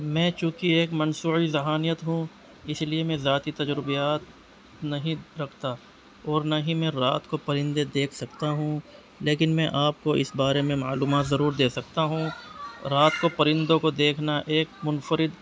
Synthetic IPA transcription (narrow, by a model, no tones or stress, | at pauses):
mɛ̃ːt͡ʃũːkieːkmɐnsuːizɐɦaːnijət̪ɦũ | ɪsliemẽzaːt̪it̪ɐd͡ʒɾɪbijaːt̪ | nɐɦĩɾɐkʰt̪a | ɔːɾnɐɦĩmẽɾaːt̪kopɐɾɪ̃nd̪ed̪eːkʰsɐkt̪aɦũ | leːkɪnmɛ̃ʔaːp̚koʔɪsbaːɾemẽmaːluːmaːt̪zɐɾuːɾd̪eːsɐk̚t̪aɦũɾaːt̪kopɐɾɪ̃nd̪õkod̪eːkʰnaʔeːkmʊnfəɾɪd̪